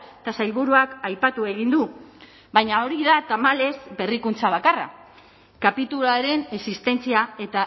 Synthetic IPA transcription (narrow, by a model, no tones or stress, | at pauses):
et̪asajβuɾuakajpat̪ue̞ɣ̞ind̪u | bajɲaoɾiðat̪amale̞zbe̞rikunt͡saβ̞akara̰ | kapit̪ulaɾe̞nesist̪e̞nt͡siae̞t̪a